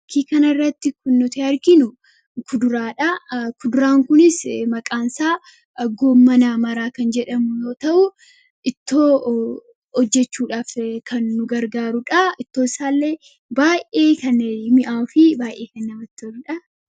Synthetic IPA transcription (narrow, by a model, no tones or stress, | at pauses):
kʰiːkɐnɐɪrːɐt̪ːɪkʊnːʊt̪ɪhɐɾɡɪnʊ | kʊd̪ʊɾaːᶑɐkʊd̪ʊɾaːŋkʊnɪsmɐkʼaːnsaː | ɡoːmːɐnamɐɾaːkɐnd͡ʒɛᶑɐmʊjo̞ːt̪ɐʔʊ | ʔɪt̪ːo̞ː | ɔd͡ʒːɛt͡ʃːuːᶑaːfkʰɐnːʊɡɐɾɡaːɾʊᶑɐɪt̪ːoːɪsaːlːeː | baːjʔʔʔe̞ːkɐnmɪʔaːfɪbaːjʔeːkɐnːɐmɐt̪ːɔlʊᶑɐ